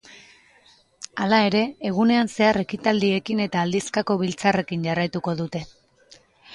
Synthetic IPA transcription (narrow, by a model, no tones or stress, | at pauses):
alae̞ɾe̞ːɣ̞une̞anse̞are̞kit̪ald̪ie̞kine̞t̪aːld̪iskako̞βilt͡sare̞kiɲɟarajt̪uko̞ðut̪e̞